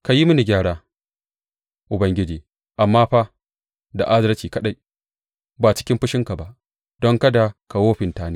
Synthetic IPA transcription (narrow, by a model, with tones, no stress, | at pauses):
ka˨ji˦mʊ˦ni˨ɡʲaː˦˨ɽaː˦ | ʔʊ˨bɐ˦ŋɡʲɪ˦d͡ʒiː˨ | ʔa˨mːaː˦ɸa˦ | da̰˨ʔa˦zɐ˦ɾɐ˦t͡ʃiː˨kɐ˦ɗa˦j | baː˨t͡ʃɪ̥˦kʲɪ˦mɸɪ˦ʃɪ˦ŋka˨ba˨ʔ | dɔ˦ŋka˦da˨ka˨woː˦ɸɪ˨ntaː˦neː˦